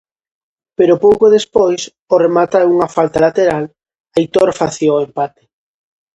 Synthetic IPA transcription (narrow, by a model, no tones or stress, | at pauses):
peɾʊpowkoðespojs | oremat̪aɛuŋafalt̪alat̪eɾal | ajt̪oɾfaθjoempat̪e̥